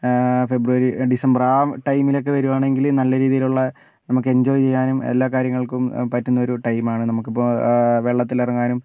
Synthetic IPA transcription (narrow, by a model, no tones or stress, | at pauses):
fe̞bruʋɐɾiɖisɐmbɐraːʈɐjmilo̞k̬ːe̞ʋɐɾuʋaːɳe̞ŋɡilnɐlːɐɾiːðijiluɭːɐ | nɐmukːɨe̞ɲd͡ʑo̞ːjt͡ɕe̞jːaːnumḛlːaːkaːɾjɐŋːɐɭkumpɐtːunːɐo̞ɾuʈɐjmaːɳɨnɐmukːipːoʋe̞ːɭːɐt̪ːilɐrɐŋːaːnum